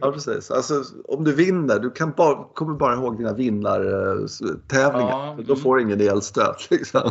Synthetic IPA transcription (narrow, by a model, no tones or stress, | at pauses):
jɑːpʰɾɛsḭːsa̰lsɔɔmd̪ɵvɪnːəɖɵkʰanbɑkʰɔmːəbɑːɾaɦoːɡ̚d̪iːnavɪnːaɾ | t̪ʰɛːvlɪŋad̪ɔfoːɾɪŋːəneːlst̪ø̰ːt̪ʰlɪksɔm